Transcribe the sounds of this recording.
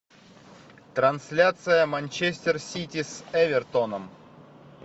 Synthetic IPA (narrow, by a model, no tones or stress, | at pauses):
t̪ɾɐnsʲlʲat̪sɨjəmɐnʲt͡ɕesʲt̪ʲɪrsʲitʲɪsɛvʲɪrt̪onəm